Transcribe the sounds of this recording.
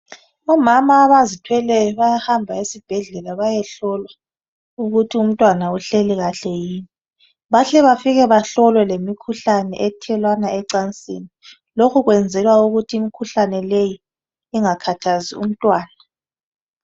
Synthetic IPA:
ɔmamaːβazitʰwɛlɛɔβajahambʱaesib̥ʱɛɮɛlaβajɛɬɔlwa | uɣutʰium̩tʼwanauɬeliɣaɬɛjiːni | βaɬɛβafiɣɛβaɬɔlwɛlemikʰuɬanɛ̰ʔɛtʰɛlwanaɛǀant͡sʼḭni | lokʰuɣwɛnd͡zʱɛlwauɣutʰiimikʰuɬanɛlejiː | ŋakʰatʰaziṵm̩tʼwaːna

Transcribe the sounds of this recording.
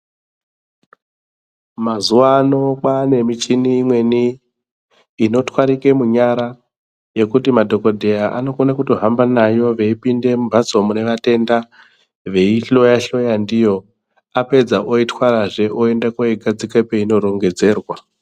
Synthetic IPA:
mazuʋaːno̞kane̞mit͡ʃiniːmwe̞ni | no̞twaɾike̞muɲaɾa | je̞kutimadʱo̞ko̞dʱe̞jaʔa̰no̞konakuto̞ɦambanajo̞ʋe̞ipinde̞mubʱat͡so̞mune̞ʋate̞nda | ʋe̞iɬo̞jaɬo̞jandijo̞ | ape̞d͡zaʔoitwaɾaʐe̞ʔoe̞ndakoiɡʱad͡zikepeino̞ɾo̞ŋɡe̞d͡ze̞ːrwa

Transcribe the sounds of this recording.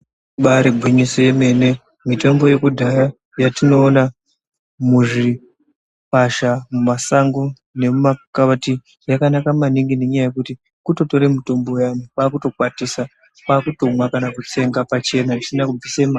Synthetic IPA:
ɓaɾeɡʱwiɲisoje̞me̞ne̞ | mito̞mbo̞je̞kudʱaja | jatino̞ːna | muʐi | paʃamumasaŋɡo | ne̞mumakaʋati | jakanakamaniŋɡine̞ɲajaje̞kuti | kuto̞to̞ɾemuto̞mbo̞janikwaːkuto̞kwatisa | kaːkuto̞mwakanakut͡se̞ŋɡapat͡ʃe̞naisinakub͡visema

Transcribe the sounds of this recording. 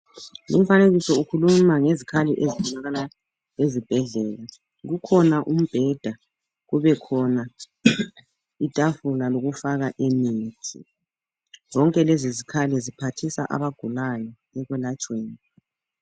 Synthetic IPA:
lṵm̩faneɣisɔukʰulumaŋezikʰaliʔeziɔlaɣala | ezib̥ʱɛɮɛːla | ɣukʰɔnaʔum̩b̥ʱɛd̥ʱa | ɣuβɛkʰɔna | itʼafulaloɣufaɣaʔemiːtʰḭ | zɔŋkʼɛlezizikʰalizipʰatʰisa̰ʔa̰βaɡ̥ʱulajɔ | ɛɣwɛlat͡ʃʼweːni

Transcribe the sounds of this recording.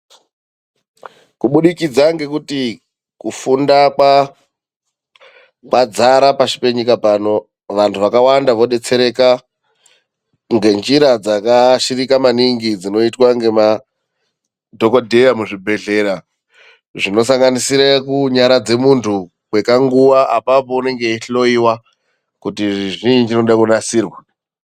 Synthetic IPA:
kuɓuɗikid͡zaŋɡe̞kuti | kufundaka | kwad͡zaɾapaʃi̥pe̞ɲikapano̞ | ʋantʰuʋakawandaʋo̞ɗe̞t͡se̞ɾe̞ka | ŋɡe̞nd͡ʒiɾad͡zakaʃiɾikamaniŋɡid͡zino̞itwaŋɡe̞ma | dʱo̞kodʱejamuʐibʱe̞ɮe̞ɾa | ʐino̞saŋɡanisiɾakuɲaɾad͡ze̞muntʰu | kwekaŋɡuwaʔapapo̞une̞ŋɡe̞iɬo̞iwa | kutiʐiʐiɲid͡ʒinoɗakunasiːrwa

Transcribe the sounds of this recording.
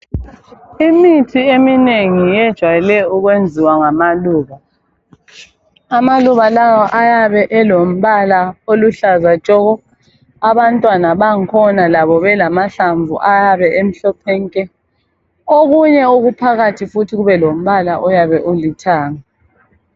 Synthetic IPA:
imitʰiemineŋijɛd̥ʒ̥ʱwajɛlɛuɣwend͡zʱiwaŋamaluːɣa | amaluɣalawɔʔajaβɛʔɛlom̩βalaoluɬazat͡ʃʼɔɣɔ | aβantʼwanaβaŋ̩kʰɔnalaβɔβɛlamaɬaɱvṵʔajaβɛʔem̩ɬɔpʰɛŋkʼɛ | oɣuɲɛuɣupʰaɣatʰifutʰiɣuβɛlom̩βalaʔɔjaβɛʔulitʰaːŋa

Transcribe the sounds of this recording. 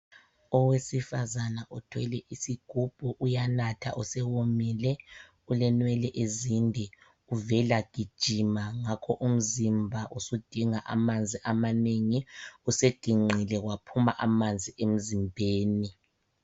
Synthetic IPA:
ɔwesifazanaʔutʰwɛlɛʔisiɡ̥ʱub̥ʱɔʔujanatʰa̰ʔusɛwomiːlɛ | ulɛnwɛlɛʔezindʱɛ | uvɛlaɡ̥ʱid̥ʒ̥ʱimaŋakʰɔʔum̩zimbʱaʔusud̥ʱiŋaʔa̰mand͡zʱiʔamaneŋiused̥ʱiŋ͡ǀʱilɛɣwapʰumaʔamand͡zʱiʔem̩zimbʱeːni

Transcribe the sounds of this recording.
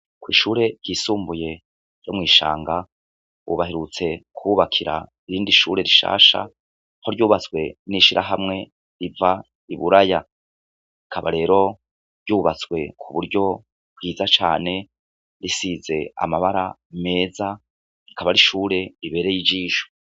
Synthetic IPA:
kwiːʃuːɾe̞jisuːmbuje̞ | ɾjo̞mŋiːʃa̰ːŋɡa | ṵβaɦeɾut͡se̞kʰuβakʰiɾa̰ | iɾiːndiʃuːɾe̞ɾiʃa̰ːʃa̰ | ho̞ɾɟuːβat͡sɡwe̞niʃiɾʔa̰ɦamŋe̞ | ɾiva | iβuɾaja | ikʰaβa̰ɾe̞ːɾo̞ | ɾjuːβat͡swe̞kʰuβuɾɟo̞ | bwiːzat͡ʃa̰ːne̞ | ɾisize̞a̰maβaɾame̞ːza | ikʰaβaɾiʃuːɾe̞iβe̞ːɾejid͡ʒiːʃo̥

